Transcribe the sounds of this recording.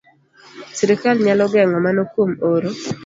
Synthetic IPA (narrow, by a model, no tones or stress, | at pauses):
siɾikalɲalɔɡɛŋɔmanokwomoɾo